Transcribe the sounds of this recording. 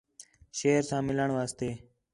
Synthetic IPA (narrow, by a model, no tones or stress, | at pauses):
ʃeːɾsãːmɪləɳʋaːst̪eː